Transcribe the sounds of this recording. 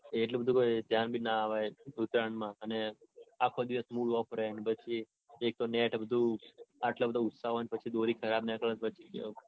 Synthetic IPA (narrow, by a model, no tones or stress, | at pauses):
eʈlobəd̪ʱũkojd̪ʱjanbʱinaːʋajut̪ɾaɳmãəneakʰod̪iʋəsmuɽɔfɾeɳɖpət͡ʃʰi | ek̚t̪oneʈbəd̪ʱũaʈlabəd̪ʱaʊt̪saɦojnpət͡ʃʰid̪oɾikʰəɾabnakəɭət̪pət͡ʃʰikḛ